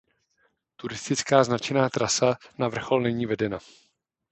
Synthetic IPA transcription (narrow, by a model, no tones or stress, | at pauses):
t̪uɾɪst̪ɪt͡skaːznat͡ʃɛnaːt̪ɾʔasanavr̩xo̞lnɛɲiːvɛdɛna